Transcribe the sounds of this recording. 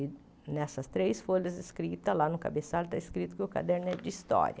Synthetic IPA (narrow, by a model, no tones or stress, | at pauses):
nɛsɐst̪ɾejsfoʎɐzɪskɾit̪ɐlanʊka̰besalt̪aiskɾit̪ʊkɪʊka̰d̪ɛɾnɛd͡ʒist̪ɔ̰ɾjɐ